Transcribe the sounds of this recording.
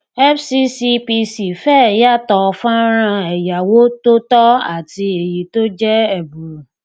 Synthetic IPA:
ɛ˦fsi˦si˧pi˧si˨fɛ˦˨ja˦˨tɔ˧fã˦ɾ̃ã˧ɛ˨ja˨wo˦to˦tɔ˦a̰˦˨ti˧e˨ji˨˦to˦d͡ʒɛ˦ɛ˦˨bu˨ɾu˨

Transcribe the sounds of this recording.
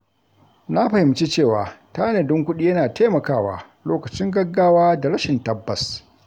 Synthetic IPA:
na˦ɸɐ˨hɪ˨mt͡ʃi˦t͡ʃeː˦˨waː˨taː˦nɐ˨dɪ˦ŋkʷʊ˦ɗi˦jɐ˦naː˨tʰeː˦mɐ˨kaː˦˨wa̰ː˨ | loː˦kɐ˨t͡ʃɪ˦ŋɡɐ˦ɡaː˦waː˦da˨ɽɐ˦ʃɪ˨ntɐ˦bːɐ˨s

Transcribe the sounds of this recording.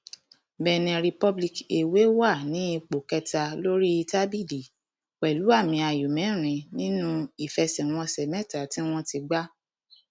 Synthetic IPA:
bɛ˧˨nɛ̃˧ɾi˧pɔ˧bli˧ke˨we˨˦wa˦˨nĩ˨˦i˧k͡po˨kɛ˧ta˧lo˦ɾi˦i˧ta˦bi˦˨li˨ | wɛ˨lu˨˦a˦˨mĩ˧a˧ju˨mɛ̃˨˦˨ɾ̃ĩ˨˧nĩ˦nũ˦i˦˨fɛ˧sɛ̃˨w̃ɔ̃˧sɛ˨mɛ̃˦˨ta˨tĩ˦w̃ɔ̃˦ti˧ɡ͡ba˦

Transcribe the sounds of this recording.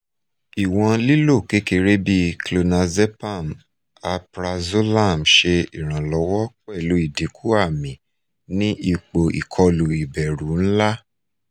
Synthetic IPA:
i˨w̃ɔ̃˧li˦lo˦˨ke˨˦ke˧ɾe˦bi˦klo˧nã˧ze˦pa˦˨m | a˧pɾa˧zo˦la˦˨m˨ʃe˧i˨ɾ̃ã˨lɔ˧˦wɔ˦k͡pɛ˦˨lo˨˦i˦˨di˨˦kʰu˦a˦˨mĩ˨˦ | nĩ˦ʔi˧k͡po˨ḭ˨kʰɔ˧lu˨i˨bɛ˨ɾũ˨˦n̩˦la˦

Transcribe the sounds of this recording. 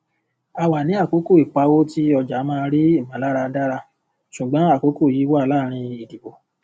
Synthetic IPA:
a˨wa˨nĩ˨˦a˦˨ko˨˦ko˦˨i˨k͡pa˧wo˦ti˦ɔ˧d͡ʒa˨˦mãː˦˧ɾi˦i˦˨mã˨˦la˦ɾa˧da˦ɾa˧ | ʃu˨ɡ͡bã˨˦a˦˨ko˨˦ko˦˨ji˨˦wɔ˦a˧laː˦˨˦ɾ̃ĩ˧i˨di˨bo˨

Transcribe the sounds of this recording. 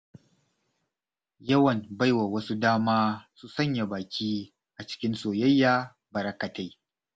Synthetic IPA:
jɐ˦wɐ˨nba˦jwa˨wɐ˦su˦daː˦maː˦su˦˨sɐ˦˨ɲja˨baː˨kʲiː˦ | ʔa˨t͡ʃɪ̥˦kʲɪ˦nsoː˨jɐ˦jːaː˦ | bɐ˨ɾɐ˦kɐ˨ta˦j

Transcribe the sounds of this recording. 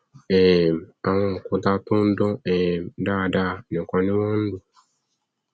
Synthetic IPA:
ɛ˨m˨a˨ŋɔ̃˦˨kʊ˦ta˦tʊ˦n̩˦dɔ̃˦ɛ˨mda˦˨da˦˨nɪ̃˨kɔ˨nɪ̃˦wɔ̃˦n̩˦dʊ˦

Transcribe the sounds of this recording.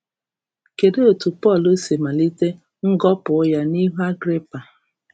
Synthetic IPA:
ke˨de˦o˨tu˨pɔ˦˨lo˦se˨ma˨li˦te˦ | ŋ̩˦ɡɔ˦pʊ˨˦ja˦ni˦ɦu˦a˦ɡɾe˦pa˨

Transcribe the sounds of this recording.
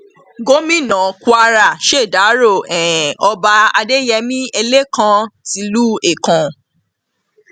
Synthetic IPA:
ɡo˦mĩ˦nã˨kʷa˧ɾa˦˨ʃe˦˨da˨˦ɾo˦˨ɛ̃˨ɛ˨ɔ˧ba˧a˧de˦jɛ˧mĩ˦e˧le˦kã˧ti˨˧˦lu˦e˦˨kã˨

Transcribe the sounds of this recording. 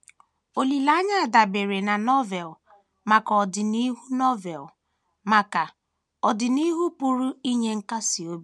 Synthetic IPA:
o˨li˨la˦ɲa˦a˨da˨be˨ɾe˨na˨nɔ˦vɛ˨l | ma˨kɔ˨dɪ˨ni˦ɦu˦nɔ˦vɛ˨l | ma˨ka˨ | ɔ˨dɪ˨ni˦ɦu˦pu˨ɾu˦i˦ɲe˦ŋ̩˦ka˦si˨o˦b

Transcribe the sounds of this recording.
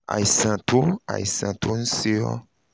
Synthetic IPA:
a̰˨i˨sã˨t̪o˦a̰˨i˨sã˨t̪o˦n̩˦se˦ɔ̰˦

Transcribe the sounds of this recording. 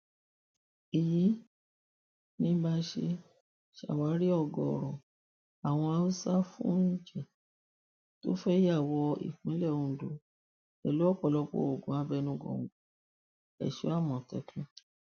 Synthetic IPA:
i˨ji˨˦ | nĩ˦ba˧ʃe˧ | ʃa̰˨wa˨˦ɾi˦ɔ˦˧˨ɡɔ˨ɔ˨ɾɔ̃˨ | a˨w̃ɔ̃˧a˧u˦sa˦fṵ̃˦ñ̩˦˨d͡ʒɛ˦˨ | to̰˦fɛ˦ja˦˨wɔ˧ḭ˨k͡pĩ˨˦lɛ˦˨ũ˧˨˦do˨˦ | ɛ˨lu˦ɔ˦k͡pɔ˧˨lɔ˧k͡pɔ̰˧˦o˨ɡũ˨˦a˧bɛ˧nũ˧˦ɡɔ̰̃˨ɡu˨˦ | ɛ̰˨ʃo̰˨˦a˦˨mɔ̃˨tɛ̰˨˦kũ˦

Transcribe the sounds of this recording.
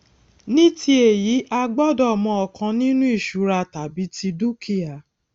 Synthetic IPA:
nĩ˦ti˦e˨ji˨˦ʔa˧ɡ͡bɔ˦dɔ˦˨mɔ̃˧ɔ˧kʰã˧nĩ˦nũ˦i˦˨ʃu˨˦ɾa˧ta˨bi˨˦ti˧du˦kʰi˦a˨

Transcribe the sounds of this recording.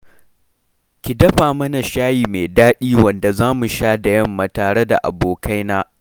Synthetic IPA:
kʲɪ˨dɐ˦ɸaː˨mɐ˦na˨ʃaː˦jiː˨meː˨daː˦ɗiː˦wɐ˨nda˨zaː˦mu˨ʃaː˦da˨jɐ˦mːaː˨taː˨ɽe˦da̰˨ʔa̰˨boː˨ka˦jnaː˦

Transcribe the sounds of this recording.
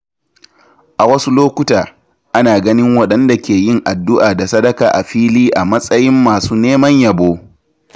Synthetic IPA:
ʔa˨wɐ˦su˦loː˦kʷʊ˦taː˨ | ʔa˦naː˨ɡɐ˦nɪ˦ŋwɐ˨ɗɐ˦nda˨kʲeː˨jɪ˦˨ŋʔa˨dːʊ˦ʔaː˨da˨sɐ˦dɐ˦kaː˨ʔa˨ɸiː˦liː˦ʔa˨mɐ˦sʼɐ˦jɪ˦mːaː˨suː˦neː˦mɐ˦ɲjɐ˨boː˦

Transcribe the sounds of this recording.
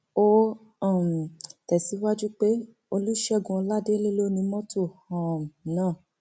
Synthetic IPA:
o˦ | ɔ̃˦˨m˨tɛ˨si˨˦wa˦d͡ʒu˦k͡pe˦ | o˧lu˦ʃɛ˦˨ɡũ˧ɔ˧la˦de˦le˦lo˦nĩ˧mɔ̃˦to˦˨ɔ˨nãː˦˨

